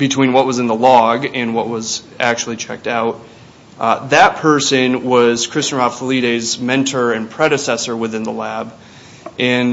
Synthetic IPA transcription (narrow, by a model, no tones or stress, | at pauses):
b̥ɨtʰw̥ĩnwʌt̚wʌzɨ̃nðəlɔɡɨ̃nwʌʔ̚wʌz | æk̚t͡ʃul̩ˠit͡ʃʰɛ̰k̚taʊt̚ | ðɨt̚pʰɜ˞sɨ̃nwʌz̥kʰɹ̥ɪstə˞ɑfəliɾeɪzmɛ̃ntʰə˞ɨ̃npʰɹ̥ɛɾɨsɛsə˞wɨθɪ̃nðəlæb | ʔɨ̃n